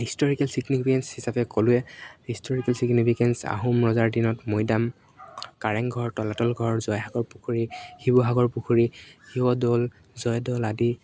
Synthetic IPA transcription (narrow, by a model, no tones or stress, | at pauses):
histɔɹikɛlsiɡnipʰikɛnshisapɛkolʊɛhistʰɔɹikɛlsiɡnipʰikɛnsa̰ɦumɹɔzaɹdinɔtmojdam | kaɹɛŋɡʱɔɹtɔlatɔlɡʱɔɹzɔjɦaɡɔɹpukʰuɹixibɔɦaɡɔɹpukʰuɹihiwɔdɔl | zɔjdɔladi